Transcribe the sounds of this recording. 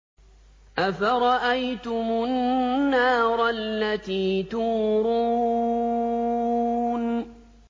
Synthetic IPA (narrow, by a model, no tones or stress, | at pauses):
ʔafaɾˤɑʔajt̪ʊmʊnːaːɾˤɑlːat̪iːt̪uːɾuː | n